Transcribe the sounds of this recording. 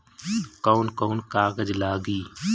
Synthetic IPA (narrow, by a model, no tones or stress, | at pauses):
koːnkoːnkaːɡəd͡ʒlaːɡiː